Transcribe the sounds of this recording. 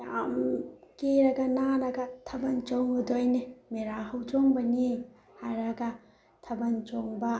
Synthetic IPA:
jamkeɾɐɡɐnaɾɐɡɐtʰɐbɐnt͡ʃɔŋɯdojnemeɾahɯwt͡ʃɔŋbɐni | hajɾɐɡɐ | tʰɐbɐnt͡ʃɔŋbɐ

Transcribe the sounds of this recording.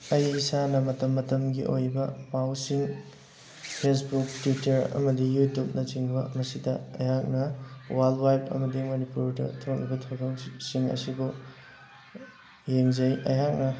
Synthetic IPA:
ɐjisanɐmɐtɐmːɐtɐmɡiʔojbɐmawsiŋ | pʰesbuk̚twitɐɾɐ̰mɐdijutup̚nɐt͡ʃiŋbɐmɐsidɐɐjɦak̚nɐwalwajpɐ̰mɐdimonipuɾdɐ̰tʰok̚libɐtʰawɾɐŋsiŋɐ̰sibo | jeŋzɐjɐ̰jɦak̚nɐ

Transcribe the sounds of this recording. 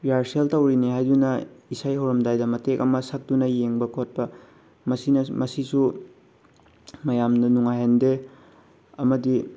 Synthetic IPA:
jaɾseltɐwɾiniɦajdunɐisajhɐwɾɐmdajdɐmɐtek̚ɐmɐsɐk̚dunɐjeŋbɐkʰot̚pɐ | mɐsinɐmɐsisu | mɐjamdɐnuŋajɦende | ɐmɐdi

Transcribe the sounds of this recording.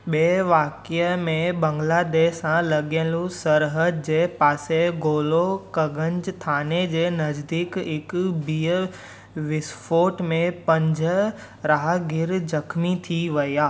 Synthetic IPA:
ɓeːʋaːkɪəmẽbɐ̃ŋɡlaːd̪eːʃːãlɐɠijə̃nlusɐɾɦəd̪̚d͡ʑeːpaːseɡoːlokɐɡʱə̃ɲd͡ʑt̪ʰaːned͡ʑeːnɐzd̪ikɪkbiːə | ʋɪsfʰoːʈmẽpɐ̃ɲd͡ʑʱə | ɾaːɦɡɪɾzɐkʰmit̪ʰiʋɐijaː

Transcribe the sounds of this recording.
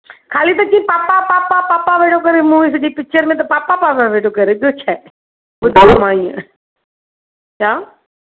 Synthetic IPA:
kʰaːlit̪ɐkĩpaːpapapapaːpaʋeːʈokɐɾemũis̬ɐd͡ʒipɪk̚t͡ʃəɾmẽt̪̬ɐpaːpapaʋaʋeːʈʰokɐɾeɗot͡ʃʰae | ɓʊd̪ʱaomãːḭ̃ | t͡ɕʰaː

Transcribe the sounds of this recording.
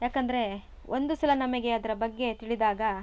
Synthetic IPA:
jaːkɐnd̪ɐɾe̞ | ʔond̪usilɐnɐmɐɡe̞ɐd̪ɐɾɐbɐɡːe̞t̪iɭid̪aːɡɐ

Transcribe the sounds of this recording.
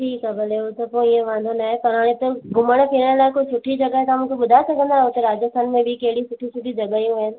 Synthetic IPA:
ʈʰiːkabɐleot̪ɐpõiẽʋãːnd̪ʱonaːɦepɐɾaːɽ̃ẽt̪oɡʊməɽ̃pʰiɾəɽ̃laːɪkoit͡ʃʰʊʈʰid͡ʒɐɡaɦet̪ãmũːkʰeɓʊd̪ʱaːesɐkʰə̃nd̪aot̪ɐɾaːd͡ʒəst̪ʰaːnmẽbʱikɐɦɪɽit͡ʃʰʊʈʰit͡ʃʰʊʈid͡ʒɐɠaɦiɦuen

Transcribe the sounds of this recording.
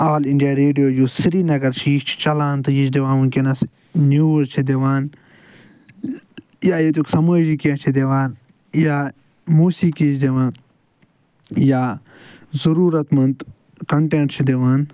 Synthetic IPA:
aːliɳɖijaːɾeːɖijoːjuːsiɾiːnɐɡɐɾt͡ʃʰiʃt͡ʃʰi̥t͡ʃɐlaːnt̪ɨjit͡ʃd̪eʋãːnunkenɐs | njuːzt͡ʃʰid̪eʋaːn | jaːjet̪uksɐməːd͡ʒikiɐt͡ʃʰid̪eʋaːn | jaː | muːsiːkit͡ʃd̪eʋaːn | jaː | zɐɾuːɾɐt̪mɐnt̪ | kɐɳʈẽːɳʈt͡ʃʰid̪eʋaːn

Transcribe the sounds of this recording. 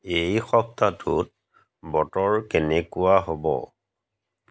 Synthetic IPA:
ejxɔp̚tatʰut̚ | bɔtɔɹkɛnɛkʊwaɦobɔ̰

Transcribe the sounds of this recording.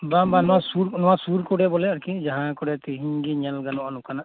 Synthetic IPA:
bambanɔwasuɾnɔwasuɾkɔɖɛbɔlɛaɾkid͡ʒaɦãkɔɖɛt̪iɦiɡiɲalɡanɔʔanukanaʔ

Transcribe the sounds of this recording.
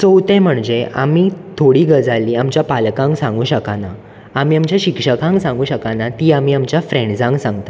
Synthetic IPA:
t͡sowt̪ẽm̤əɳd͡zea̰miːt̪ʰoɽiːɡəd͡zaliːamt͡ɕjapalkãŋksãŋɡuːɕəkana | amiːamt͡ɕjaɕikʂəkãŋksãŋɡuːɕəkanat̪iːamiːamt͡ɕjafɾẽɳɖd͡zãŋɡsãŋɡt̪ḁ

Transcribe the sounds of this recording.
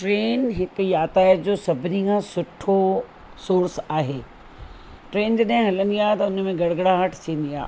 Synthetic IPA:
ʈɾeːnɦɪkjaːt̪aːəd͡ʑoːsɐbʱɪnikʰãːsʊʈʰo | soːɾsaːɦeː | ʈɾeːnd͡ʑoːɗãɦɪ̃ɦɐlənd̪ijat̪ɐʊnmẽɡɐɽ̤ɡɽaɦəʈʰt͡ɕʰiːən̆d̪ia̰ː

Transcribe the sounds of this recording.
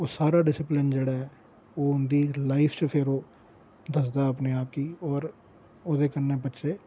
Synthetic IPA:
oːsaːɾaːɖɪsɪplɪnd͡ʒeːɽaɦɛː | oːʊnd̪iːlaːɪpʰt͡ʃəpʰɪɾoː | d̪əs̬d̪aəpneaːp̚kiːɔːɾ | oːd̪eːkəɾnebətːʃʰeː

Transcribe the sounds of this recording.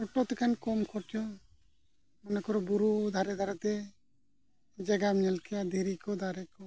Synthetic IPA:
ɔʈɔt̪ɛkankɔmkʰɔɾʈɔ | mɔnakɔɾɔbuɾud̪ʱaɾɛd̪ʱaɾat̪ɛ | d͡ʒɛɡamɲɛlkʰɛjad̪ʱiɾikɔd̪ʱaɾɛkɔ

